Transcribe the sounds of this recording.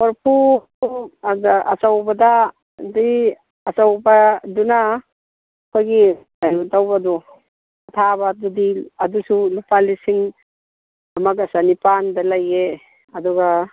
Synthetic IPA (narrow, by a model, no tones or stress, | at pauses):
wɔɾpʰu | uɡaʔɐ̰sawbɐda | di | ɐsawbɐduna | kʰojɡi | ajudawbɐdu | ɐtʰabɐdudiɐdusulupalisiŋ | ɐmɐkɐsanipandɐlɐje | ɐduɡa